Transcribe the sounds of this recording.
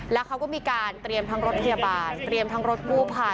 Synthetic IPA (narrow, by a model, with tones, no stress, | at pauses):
lɛː˦˥wkʰa˦˥wkɔː˥˩miː˧kaː˧nt̪ɾi˧əmt̪ʰa˦˥ŋɾo˦˥t̪̚pʰa˧ja˧baː˧nt̪ɾi˧əmt̪ʰa˦˥ŋɾo˦˥t̪̚kʰuː˥˩pʰa˧˩